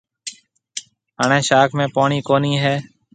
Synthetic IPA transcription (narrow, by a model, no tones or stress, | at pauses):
ɦəɳẽːʃaːkʰmẽːpoːɳiːkoːniːɦɛː